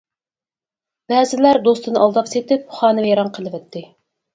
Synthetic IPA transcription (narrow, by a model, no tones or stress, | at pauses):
b̥ɛzɪlæɾd̪ost̪ʰɨnɨʔɑlˠd̪ɑpset̪ɪp̚χɑːnɨjɑɾɑɴqʰəlˠɨvɛt̪ʰːɪ